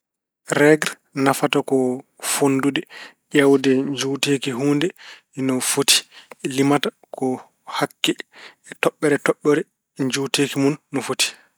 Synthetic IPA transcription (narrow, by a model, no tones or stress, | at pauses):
ɾɛɡɾ | nafatakɔ | fondudɛʔɛwdɛɲd͡ʒuwteːkiɦuːndɛ | ɛnɔfoti̥ɛlimata | kɔ | hakːɛːtɔɓːɛɾɛtɔɓːɛɾɛ | ɲd͡ʒuteːkimunːɔfoti̥